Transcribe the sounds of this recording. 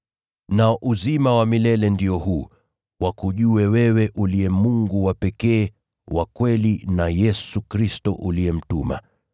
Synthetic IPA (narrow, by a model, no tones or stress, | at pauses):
naɔʔuzimawamilɛlɛndiɔhuː | wakuʄuwɛwɛwɛʔuliɛmuŋɡuwapɛkɛː | wakwɛlinajɛsukɾistɔʔuliɛm̩tuma̰